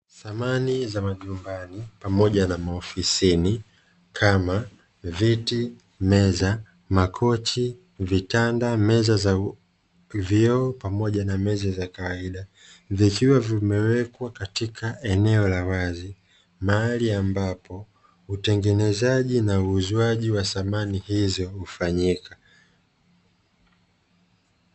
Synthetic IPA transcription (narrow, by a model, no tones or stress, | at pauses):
θamanizamaʄumbanipamɔɟanamaɔfisini | kʰama | viti | mɛza | makʰɔt͡ʃi | vitandamɛzaza | vjɔːpamɔʄanamɛzazakawaiɗa | vikiwavimɛwɛkwakatikʰaʔɛnɛɔlawazi | maaliambapɔ | utɛŋɡɛnɛzaʄinauːzwaʄiwaθamanihizɔhufaɲika